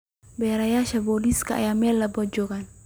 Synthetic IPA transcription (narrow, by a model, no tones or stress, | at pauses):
bɛɾajaʃaboliskaa̰jamɛlːabɔd͡ʒokan